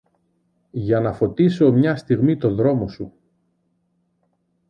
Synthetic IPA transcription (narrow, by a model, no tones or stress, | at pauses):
ʝɐnɐfo̞t̪iso̞mɲɐst̪iɣmit̪o̞ðɾo̞mo̞su